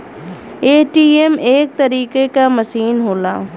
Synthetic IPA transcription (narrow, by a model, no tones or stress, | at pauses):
eːʈiːemeːk̚t̪ɐɾiːkekamɐsiːnɦoːlaː